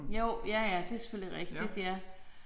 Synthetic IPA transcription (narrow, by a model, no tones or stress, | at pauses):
jo̰jæjæd̥e̝æɐse̥føl̰iʁɛɡ̥d̥id̥jæ